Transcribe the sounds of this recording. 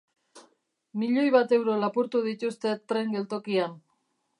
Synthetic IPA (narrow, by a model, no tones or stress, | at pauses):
miʎo̞jβat̪e̞wɾo̞lapuɾt̪uðit̪ust̪e̞t̪ːɾe̞ŋɡe̞lt̪o̞kian